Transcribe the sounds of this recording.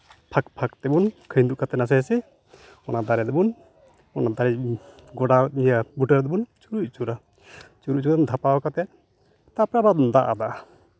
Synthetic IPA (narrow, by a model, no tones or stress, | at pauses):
pʰak̚pʰak̚t̪ɛbunkʰəjnd̪uʔkat̪ɛnas̬ɛjsɛ | ɔnad̪aɾɛd̪ɛbun | ɔnad̪aɾɛɡɔɖanijabuʈəɾd̪ɛbunt͡ʃuɾuc̚t͡ʃuɾa | t͡ʃuɾuʔ̚t͡ʃuɾnd̪ʱapaɔkat̪ɛt̪ | t̪apɾabad̪aʔa̰d̪aa